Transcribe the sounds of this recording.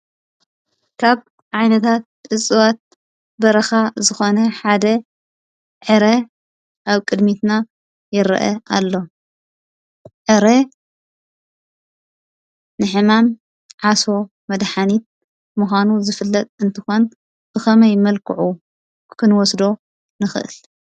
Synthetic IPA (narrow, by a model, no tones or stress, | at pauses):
kʰaβ | ʕajnɐt̪ʰat̪̚ːʼɨsʼɨwat̪̚ | bɐɾɐxazɨxo̞nɐħad̪ɐ | ʕɨɾe | ʔaβkʼɨd̪mit̪na | jɪɾɨ̰ʔɐ̰ʔa̰lːo̞ | ʕɨɾe | nɨħɨmam | ʕaso̞ | mɐd̪ħanit̪̚ | muxʷanuzɨfɨlːɐt̪ʼɨnt̪ʰɨxo̞n | b̥ɨxɐmɐjmɐlkʰɨʕu | kʰɨnwɔsd̪o̞ | nɨxɨ̰ʔɨ̰l